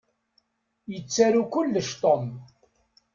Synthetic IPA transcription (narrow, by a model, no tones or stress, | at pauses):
jət͡sːaɾukʊlːəʃt̪ˤom